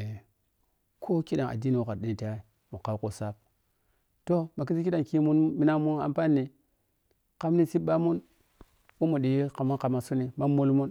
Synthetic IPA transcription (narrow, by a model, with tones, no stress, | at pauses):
kʰo˦ki˦ɗa˨ŋʔa̰˨di˦ni˨wu˨ka˨ɗi˨˦ni˨ta˦˨˦ | mu˨ka˦wko˨sa˦p̚ | to˦ma˨ki˦si˦ki˦ɗa˨ŋki˦mu˦nmi˦na˦mu˦na̰˨mpa˦nːi˨ | ka˦mni˦si˦ɓa˦mu˦n | wu˦mu˨ɗi˨˦ka˨mu˦ka˨ma˨su˦ni˨ma˦mu˦lmu˦n